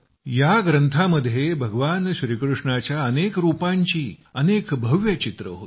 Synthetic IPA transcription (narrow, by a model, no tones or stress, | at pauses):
jaɡɾənt̪ʰaməd̪ʱːjebʱəɡʋanɕɾiːkɾuʂɳat͡ɕjaənekɾupaɲt͡ɕiːənekbʱəʋjət͡ɕit̪ɾə̰ɦot̪